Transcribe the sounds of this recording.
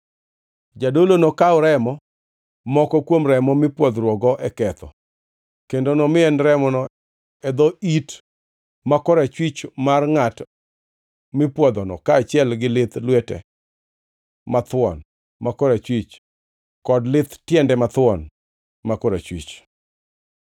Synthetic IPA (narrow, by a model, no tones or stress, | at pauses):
d͡ʒadolonokaʊɾɛmɔ | mɔkɔkwomɾɛmɔmɪpwɔd̪ɾwɔɡɔʔɛkɛt̪ʰɔ̰ | kendonomɪɛnɾɛmɔnɔ | ɛd̪ɔit | makɔɾat͡ʃwit͡ʃmarŋat | mɪpwɔd̪ɔnɔ̰kaːt͡ʃɪɛlɡɪlɪt̪lwɛtɛ̰ | mat̪wɔ̰n | makɔɾat͡ʃwit͡ʃ | kɔdlɪt̪tjɛndɛmat̪wɔ̰n | makɔɾat͡ʃwḭt͡ʃ